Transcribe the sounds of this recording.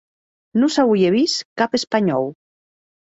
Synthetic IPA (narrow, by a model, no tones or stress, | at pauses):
nusawujeβiskapespaɲɔ̰w